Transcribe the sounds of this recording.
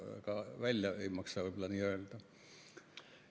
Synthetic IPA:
kɑʋælʲːæeimɑksɑolʲplɑnierelt̪ɑ

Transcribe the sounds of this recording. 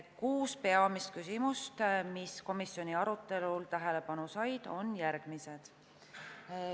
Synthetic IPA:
kuːspe̞ɑmist̪̚kysimust̪misko̞misjo̞nʲiɑɾut̪ːˑe̞lult̪æɦe̞le̞pɑnusɑjd̪̥o̞njæɾɡ̥mise̞d̪̥

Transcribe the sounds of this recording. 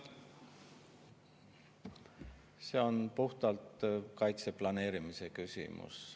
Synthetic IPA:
se̞ːo̞npuht̪ɑlt̪kɑjt̪se̞plɑne̞ːɾimise̞kysʲḭmṵs

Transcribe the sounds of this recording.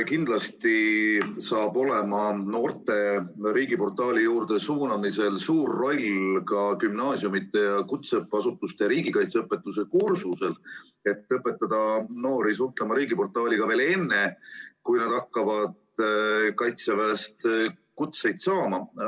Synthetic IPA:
kind̪lɑst̪isɑːb̥o̞le̞mɑno̞ːrt̪e̞ɾiːɡipo̞rt̪ːˑɑːlʲijuːrd̪e̞suːnɑmise̞lsuːrːo̞lʲkɑkymnɑːsjumit̪ːˑe̞jɑkut̪sepːɑsut̪ːˑust̪e̞ɾiːɡ̥ikɑjt̪seɤpːˑe̞t̪ːˑuse̞kursuse̞l | e̞t̪ːˑɤpːˑe̞t̪ːɑd̪̥ɑno̞ːɾisuht̪lemɑɾiːɡipo̞rt̪ːˑɑːlʲiɡ̥ɑve̞ːle̞nːe̞kujnɑd̪ɑkːɑvɑd̪̥ | kɑjt̪sevæest̪kut̪se̞jd̪̥sɑːmɑ

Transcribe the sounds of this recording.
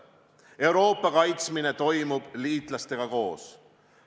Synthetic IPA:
e̞wɾo̞ːpːˑɑkɑjt̪smine̞t̪o̞jmub̥liːt̪ˑlɑst̪e̞ɡ̥ɑko̞ːs

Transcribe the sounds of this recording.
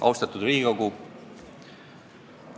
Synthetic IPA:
ʔɑ̰wst̪ɑt̪ːˑud̪ɾiːikoɡu

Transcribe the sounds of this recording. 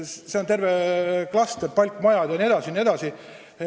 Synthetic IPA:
se̞ont̪e̞rveklɑst̪erpɑlʲkːˑmɑjɑd̪̥jɑnʲie̞d̪ɑsinʲied̪ɑsi

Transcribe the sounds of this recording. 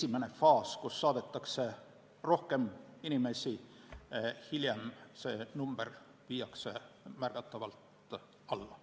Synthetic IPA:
esimene̞fɑːskusːɑːd̪et̪ːˑɑkse̞ | ro̞hke̞minime̞si | hiljemse̞ːnumb̥er | viːjɑkse̞mærɡ̥ɑt̪ːˑɑvɑlt̪ | ɑlːɑ

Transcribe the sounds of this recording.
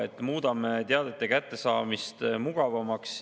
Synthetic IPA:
et̪ːmuːd̪̥ɑmet̪eɑd̪̥e̞t̪ːekæt̪ːe̞sɑːmist̪muɡ̥ɑvɑmɑks

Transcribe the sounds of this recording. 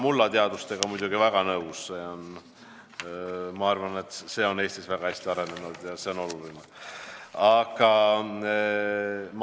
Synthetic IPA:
mulːɑt̪eɑd̪̥ust̪e̞ɡ̥ɑmujd̪̥uɡivæɡ̥ɑnɤusːeon | mɑɑrvɑne̞t̪ːse̞ːo̞ne̞ːst̪isvæɡ̥ɑhæsʲt̪iɑɾe̞nenud̪̥jɑse̞o̞no̞luline | ɑɡ̥ɑ | m

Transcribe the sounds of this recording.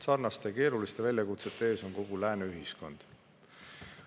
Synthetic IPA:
sɑrnɑst̪eke̞ːɾulist̪evælʲjɑkut̪se̞t̪ːˑe̞ːso̞nko̞ɡ̥ulæːneyɦisko̞nd̪̥

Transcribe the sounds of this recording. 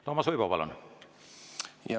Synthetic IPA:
t̪oːmːɑsujpoʋɑ̰lo̰n | j

